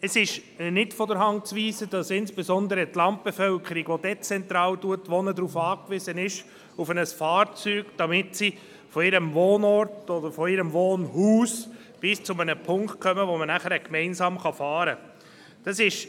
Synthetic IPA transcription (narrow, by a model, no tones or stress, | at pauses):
əsɪʃnɪtfɔdəɾɦɑnt͡sʋiːsəd̥ɑsɪnsb̥esɔnd̪əɾətlɑnt̚b̥efœlkʰəɾiɡʋodɛt͡sɛnt̪ɾɑːltuətːʋɔnədɾuːfɑːkʋɪzənɪʃ | ufənəsfɑːɾt͡syːɡ̥d̥ɑmɪtsi | fɔɪɾəmvoːnɔrtɔdəɾfɔɪɾəmʋoːnhuːs | b̥ɪst͡sʊmənəpʰʊŋkt̚kχœməʋomənæχəɾɛkmɛɪnsɑːmχɑfɑːɾə | d̥ɑsɪʃ